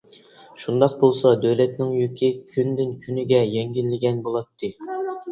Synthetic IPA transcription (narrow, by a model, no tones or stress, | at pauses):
ʃund̪ɑq̚bolˠsɑd̪øwlɛt̪nɪŋjykʲʰikʲʰynd̪ɪnkʲʰynɪɡʲɛjɛŋɡʲilːɪɡʲɛnbolˠɑt̪ʰːɨ